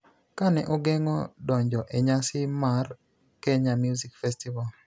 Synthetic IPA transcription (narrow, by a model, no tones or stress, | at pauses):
kanɛʔoɡeŋɔdɔɲd͡ʒɔʔeɲasɪmar | kɛɲamjuzikfɛstival